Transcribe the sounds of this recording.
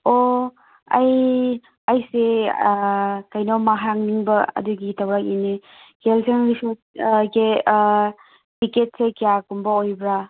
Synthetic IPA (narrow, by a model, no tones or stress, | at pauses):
o | ɐ̰j | ɐjse | kɐjnɔmaɦaŋniŋbɐɐ̰duɡitawɾak̚ine | kelsʰenɾisɔ | ke | tiket̚sekijakumbɐojbɾa